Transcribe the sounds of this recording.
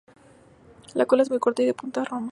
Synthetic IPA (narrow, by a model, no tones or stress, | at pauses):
lakolae̞zmujko̞ɾt̪aiðepunt̪aroma